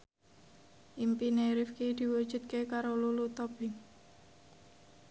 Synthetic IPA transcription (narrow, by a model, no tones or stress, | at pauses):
ʔimpineɾifkid̪̥i̤wud̥ʒ̥ṳt̪̚kekaɾolulut̪ob̥ɪŋ